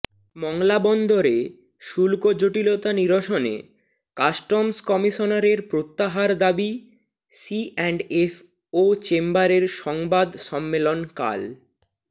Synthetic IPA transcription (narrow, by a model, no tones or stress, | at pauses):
mɔŋlabɔnd̪ʱoɾe | ʃulkod͡ʑoʈilot̪aniɾoʃonḛ | kasʈɔmskɔmiʃonaɾeɾpɾot̪ːaɦaɾd̪abi | siʔɛɳɖef | ot͡ɕembaɾeɾʃɔŋbad̪ʃɔmːelonka̰l